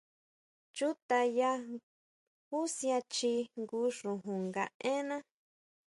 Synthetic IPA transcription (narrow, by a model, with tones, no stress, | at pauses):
t͡ʃu˦t̪a˧ja˧ | hu˦sj̃ã˧t͡ʃi˧ŋɡu˧˦ʂũ˨ɦũ˨ŋɡa̰˨ʔẽ˦nã˦